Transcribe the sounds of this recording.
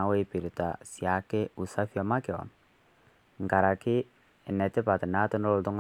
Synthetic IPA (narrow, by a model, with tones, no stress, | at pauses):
a˨˦we˦pi˨ɾi˨ta˨si˨a˨kɛ˦u˨sa˦fi˦a˦ma˦kɛ˨wa̰˨m | ŋ̩˨ka˨ɾa˨ki˦˨ | nɛ˨t̪ɛ˦pa˨t̪ɪ˨na˦tʊ˦nɔ˦ltʊ˦ŋ